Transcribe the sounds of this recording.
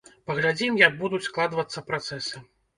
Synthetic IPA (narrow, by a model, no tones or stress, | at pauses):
pɐɣlʲad͡zʲimjɐɡ̚bud̪ut͡sʲsklˠad̪vɐt̪sːɐpɾat̪sɛsɐ